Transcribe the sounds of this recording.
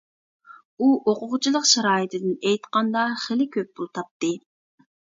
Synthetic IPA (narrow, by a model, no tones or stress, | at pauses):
uʔoqʰʊʁʊt͡ʃʰilˠəqʃɑɾɑːjit̪ʰɪd̪ɪnejt̪qɑnd̪ɑχelɪkʲʰøp̚bulˠt̪ʰɑp̚t̪ɨ